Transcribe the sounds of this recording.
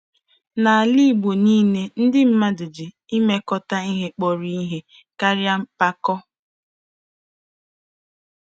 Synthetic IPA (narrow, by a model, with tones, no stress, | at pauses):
na˨a˨li˦˨ɡ͡bo˨niː˦ne˦n̩˦dɪ˦m̩˦ma˦dʊ˨d͡ʒɪ˨ | i˦me˦kɔ˦ta˦i˦ɦe˦k͡pɔ˨ɾi˦i˦ɦe˦ | ka˦ɾja˦m̩˦pa˦kɔ˦